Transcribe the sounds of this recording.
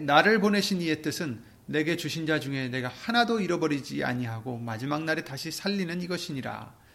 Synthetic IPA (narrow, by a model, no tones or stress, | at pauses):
naɾɯɭpone̞ɕʰinie̞t͈ɯsʰɯnː | e̞ɡe̞t͡ɕuɕʰind͡ʑad͡ʑuŋe̞ne̞ɡahanadoiɾʌbʌɾid͡ʑia̰ɲiɦaɡomad͡ʑimaŋnaɾetaɕʰisʰaʎːinɯniɡʌɕʰiɲiɾa̰